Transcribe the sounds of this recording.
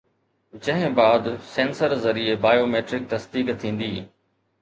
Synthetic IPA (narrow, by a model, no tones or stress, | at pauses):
d͡ʑɐ̃ɦɪ̃baːd̪sẽːnsəɾzɐɾiebaːjoːmeːʈɾɪk̚t̪ɐsd̪iːkt̪ʰĩːn̆d̪iː